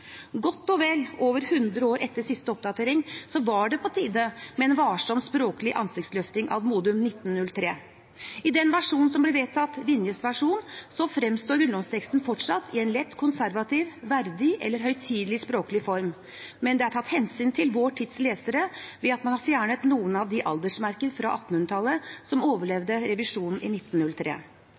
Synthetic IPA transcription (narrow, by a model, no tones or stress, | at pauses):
ɡɔt̪ːɔʋɛlːoːʋəɾhʉnd̪ɾəoːɾɛt̪ːəʂɪst̪əɔp̚d̪ɑt̪ʰeːɾɪŋsɔʋɑɖɛpʰɔt̪ʰiːd̪əmɛːnʋɑːʂɔmspɾoːkəlɪʔɑ̰nsɪkt̪slœft̪ɪŋʔɑ̰ʋmuːd̪ʉmnɪt̪ːnnːʉlt̪ʰɾeː | ɪd̪ɛnʋæʂuːnnsɔmblɛʋɛt̪ʰɑt̪ːʋɪnjəsʋæʂuːnsɔfɾɛmst̪oːɾʉnd̪ɔmst̪ʰɛkst̪n̩fɔʈʂɑt̪ʰːɪɛɪnlɛt̪ːkʰʊnsæɾʋɑt̪ʰiʋʋæɾd̪ɪʔɛ̰lːəɾɦœʏt̪ʰiːd̪lɪspɾoːkəlɪfɔɾm | mɛnd̪ɛæʈʰɑt̪ːhɛnsyːnt̪ʰɪlʋoːʈʰɪt̪sleːsəɾəʋɛɑt̪mɑnhɑɾfjæːɳət̪nuːənɑʋd̪ɪʔɑ̰ld̪əʂmæɾkənfɾɑʔɑ̰t̪ːn̩hʉnɾət̪ʰɑlːəsɔmoːʋəɭɛʋd̪əɾɛʋɪʂuːnn̩ʔɪ̰nɪt̪ːnnʉlt̪ʰɾḛː